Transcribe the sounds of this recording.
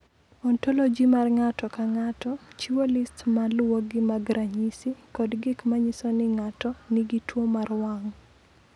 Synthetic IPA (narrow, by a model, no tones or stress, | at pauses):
ɔntɔlɔd͡ʒimarŋatɔkaŋatɔt͡ʃiwolistmalwoɡɪmaɡɾaɲisikɔdɡɪkmaɲisɔnɪŋatɔnɪɡitwomarwaŋ